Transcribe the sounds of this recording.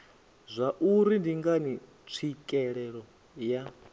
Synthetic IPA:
zʷaʔuɾindiŋɡani | t͡sʰikʼɛɺɛɺɔ | ja

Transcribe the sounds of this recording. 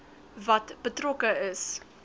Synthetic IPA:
vɐtbətrokəəs

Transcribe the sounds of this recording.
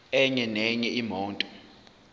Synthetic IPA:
ɛɲɛnɛɲɛimɔːntʼɔ

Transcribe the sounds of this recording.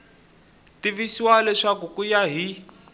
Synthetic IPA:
tiβisiwalɛʂakukujaɦi

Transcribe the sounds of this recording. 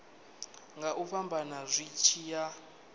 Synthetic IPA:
ŋɡaʔuɸambʱanazʷit͡ʃʰiːja

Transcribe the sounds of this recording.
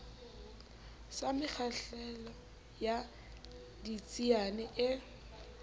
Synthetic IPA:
samɪk͡xʰaɬɛlɔ | ja | dit͡sʼianɛʔɪ

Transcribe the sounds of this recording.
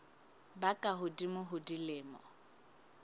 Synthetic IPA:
bakʼaɦʊdimʊɦʊdilɪːmɔ̰

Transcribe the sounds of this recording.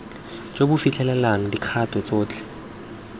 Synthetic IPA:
t͡ʃʼobʊfit͡ɬʰɛlɛlaŋ̩dikʰatʼɔt͡sʼoːt͡ɬʰʼɛ̥

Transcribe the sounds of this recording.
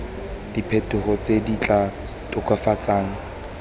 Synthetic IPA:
d̥ipʰetʊχɔt͡sʼedit͡ɬʼa | tʼʊkʰʼafat͡sʼaːŋ̩

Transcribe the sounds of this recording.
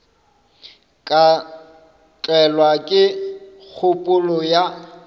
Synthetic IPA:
kʼa | t͡ɬʼɛlwakʼɪ | k͡xʰʊpʼʊlɔja

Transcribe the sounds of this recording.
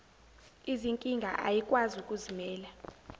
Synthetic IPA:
iziŋkʼiŋɡʱa̰ʔa̰jikʼwazukʼuzimɛːla

